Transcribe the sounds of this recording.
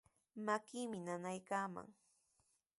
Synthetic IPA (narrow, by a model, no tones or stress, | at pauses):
makɪːmɪnanajkaːma̰ŋ